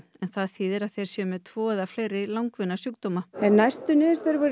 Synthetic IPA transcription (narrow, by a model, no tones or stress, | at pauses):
ɛnθaðθiːðɪɾaðθejɾ̥sjɛːmɛðt̪ʰvɔːɛðafleːjɾɪlawŋkvɪnːasjukt̪omaɛnːajst̪ʏnɪːðɪst̪œɾvɛɾ